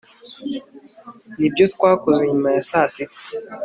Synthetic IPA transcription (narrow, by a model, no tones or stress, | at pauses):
nibjutkwakuziɲmasasit̚